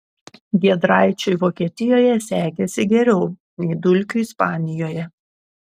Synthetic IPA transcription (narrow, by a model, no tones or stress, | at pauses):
ɡʲiɛd̪ɾɑˑɪt͡ʃʲɛɪʋoːkʲiɛt̪ʲɪjoːjɛsʲæːɡʲɛsʲɪɡʲɛɾʲɛʊ | nʲɛɪd̪ʊlʲkʲʊɪspɑːnʲɪjoːjɛ